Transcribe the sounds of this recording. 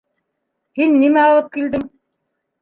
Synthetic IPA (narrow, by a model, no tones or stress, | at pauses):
hinːimæɑlˠɤp̚kild̪ɘm